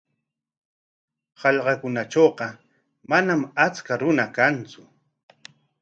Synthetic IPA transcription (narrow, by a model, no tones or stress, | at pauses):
hɑʎɢɑkʊnaʈ͡ʂoːqɑ | manamat͡skaɾʊnakant͡sʊ